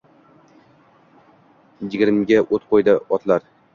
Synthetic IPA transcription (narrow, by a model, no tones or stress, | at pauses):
jɪɡʲɪɾmɪɡʲaʔot̪qʰojd̪ɪɒt̪ʰlaɾ